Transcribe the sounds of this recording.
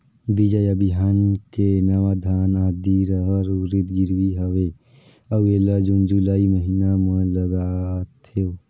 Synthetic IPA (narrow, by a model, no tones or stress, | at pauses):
bid͡ʒəjəbiɦankenəʋad̪ʱaːnaːd̪iɾəɦəɾuɾit̪ɡiɾwiɦəʋe | əwelad͡ʒund͡ʒulaːiməɦinamə̃ləɡat̪ʰe